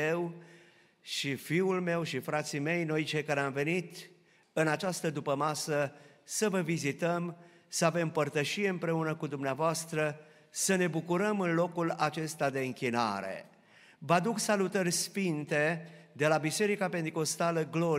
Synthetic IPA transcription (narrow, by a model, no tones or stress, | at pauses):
ew | ʃifiulme̞wʃifɾat̪sime̞jno̞jt͡ʃejkaɾeamve̞nit̪ | ɨnat͡ʃast̪əd̪upəmasə | səvəvizit̪əm | səave̞mpərt̪əʃije̞ɨmpɾe̞unəkud̪umneavoast̪ɾə | səne̞bukuɾəmɨnlo̞kulat͡ʃe̞st̪ad̪e̞ɨŋkʲina̰ɾe̞̰ | vad̪uksalut̪ərʲsfint̪e̞d̪e̞labise̞ɾikape̞nt̪iko̞st̪aləɡlo̞